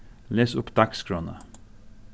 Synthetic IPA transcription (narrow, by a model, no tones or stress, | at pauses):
leːsʊpd̪ɑkskɾoːnə̰